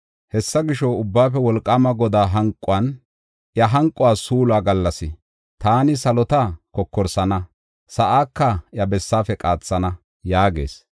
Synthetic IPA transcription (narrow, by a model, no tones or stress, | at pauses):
hɛsːɐɡɪʃɔʊbːaːfɛwɔlkʼːaːmɐɡɔd̪aːɦɐŋkʼːʊwɐn | ʔjɐɦɐŋkʼʊwaːsuːlwaːɡɐlːɐsɪ | t̪aːnɪsɐlɔt̪akɔkːɔɾsɐnɐ | sɐʔaːkːɐjɐbɛsːaːfɛkʼaːt͡sːɐnɐ | jaːɡe̞ːs